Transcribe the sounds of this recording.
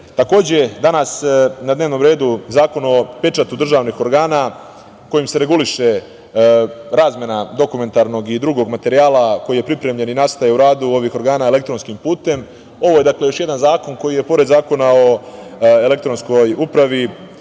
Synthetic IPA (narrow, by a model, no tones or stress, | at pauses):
t̪ako̞ːd͡ʑed̪anasnad̪neːʋno̞mɾe̞ːd̪uzaːko̞no̞pe̞t͡ʃat̪ud̪r̩ʒaːʋnixo̞ɾɡaːna | ko̞jimse̞ɾe̞ɡuliʃe̞ | ɾaːzme̞nad̪o̞kume̞nt̪aɾno̞ɡid̪ɾuɡo̞ɡmat̪e̞ɾijaːlako̞jije̞pɾipɾe̞mʎe̞ninast̪ajeuɾaːd̪uo̞ʋixo̞ɾɡaːnaːele̞k̚t̪ɾo̞nskimpuːt̪e̞m | o̞ʋoje̞d̪akle̞jo̞ʃje̞d̪anzaːko̞nko̞jije̞po̞ɾed̪zaːko̞nao̞e̞le̞kt̪ɾo̞nsko̞jupɾaʋi